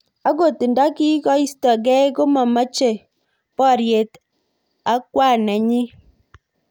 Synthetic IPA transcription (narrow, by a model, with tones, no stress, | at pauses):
a˦ɡo˦˨ti˨nda˦ki˦kɔ˦i˦stɔ˨ɡɛ˦ko˦ma˨ma˦t͡ʃe˨ | pɔ˦˨ɾje˨t | a˦kwa˦˨nɛ˨ɲi˦